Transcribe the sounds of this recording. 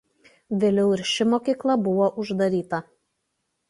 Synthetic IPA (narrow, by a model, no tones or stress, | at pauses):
ʋʲeːlʲɛʊɪɾʃʲɪmoːkʲiːklˠɐbʊʋoːʔʊʒd̪ɐɾʲiːt̪ɐ